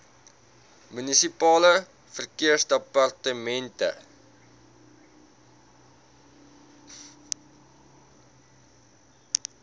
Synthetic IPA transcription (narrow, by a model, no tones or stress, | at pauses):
mynisipɑːlə | fərkiərsdəpɐrtəmɛntə̰